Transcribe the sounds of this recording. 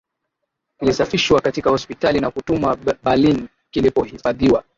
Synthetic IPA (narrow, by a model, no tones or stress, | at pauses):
ilisafiʃwakatikahɔspitalinakutumwaɓalin | kilipɔhifaðiwa